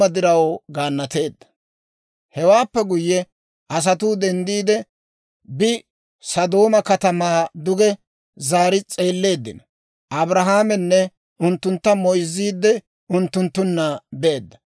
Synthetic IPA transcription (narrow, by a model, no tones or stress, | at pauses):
ɐd̪ɪɾɐwɡaːnːɐt̪e̞ːd̪ːɐ̥ | hɛwaːpːɛɡʊjːɛ | ʔɐs̬ɐt̪̬uːd̪ɛnd̪iːd̪ɛ | bɪ | sɐd̪o̞ːmɐkɐt̪ɐmaːd̪ʊɡɛ | zaːɾɪt͡sʼe̞ːlːe̞ːd̪ːɪ̰nɐ | ʔɐbɾɐɦaːmɛnːɛ | ʊnt̪ːʊnt̪ːɐmɔjzːiːd̪ːɛ | ʊnt̪ːʊnt̪ːʊnːɐbeːd̪ːɐ̥